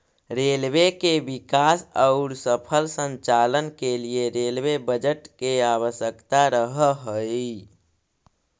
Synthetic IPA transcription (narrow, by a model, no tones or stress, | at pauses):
ɾelwekebikasəʊɾsəpʰəlsəɲt͡ʃalənkelieɾelwebəd͡ʒəʈkeaβəsjəkt̪aɾəɦəɦəi